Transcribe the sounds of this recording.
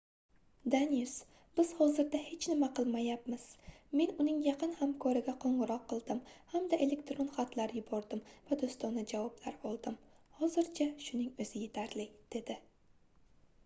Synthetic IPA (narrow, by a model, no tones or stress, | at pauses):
d̪aniis | bɪz̥hɒzɪɾd̪ahe̞t͡ʃʰnɪmaqʰɨlˠmajapmɪz̥me̞nʊnɪŋjɑqʰɨnhamkʰɒɾɪɡʲaqʰoɴʁɨɾɒqːɨlˠd̪ɪmhamd̪aʔe̞le̞kt̪ɾonχat̪ʰlaɾjʊbɒɾd̪ɪmvad̪ost̪ɒnɪd͡ʒavɒblaɾɒlˠd̪ɪmhɒzɪɾt͡ʃʰaʃʊnɪŋɵz̥ɪje̞t̪ʰaɾlɪd̪̥e̞d̪ɪ